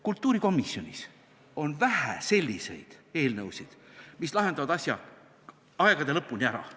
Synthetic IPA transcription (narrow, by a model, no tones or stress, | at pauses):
kult̪ːˑuːɾiko̞misːjo̞nʲis | o̞nvæhæ̰se̞lʲːise̞̰jd̪̥e̞ːlnɤwsid̪̥mislɑɦenɑvɑd̪ɑsʲjɑ | ɑeɡ̥ɑd̪e̞lɤpːˑunʲiæɾɑ̰